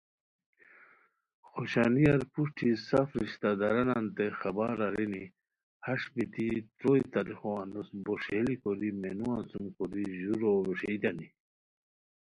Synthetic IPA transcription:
xɔɕanijaɾpuʂʈʰisafɾiɕt̪ad̪aɾɐnant̪exabaɾaɾeni | haʂbit̪it̪ɾoit̪alixowand̪usbɔʂelikʰɔɾimenuansumkɔɾiʑuɾoɾuɕejd̪ani

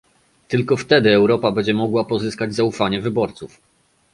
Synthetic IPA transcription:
t̪ɘlkɔft̪ɛd̪ɘɛwɾɔpabɛɲd͡ʑɛmɔɡwapɔzɘskad͡ʑzaufaɲɛvɘbɔɾt̪suf

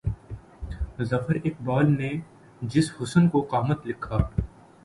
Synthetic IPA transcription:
zɐfəɾeːk̚baːlne | d͡ʒɪshʊsənkoqaːmət̪lɪkʰːaː

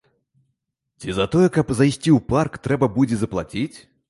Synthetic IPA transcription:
t͡sʲizɐt̪ɔjɛkɐpzajsʲt͡sʲiwparkt̪ɾɛbɐbud͡zʲɛzɐplˠat͡sʲit͡sʲ

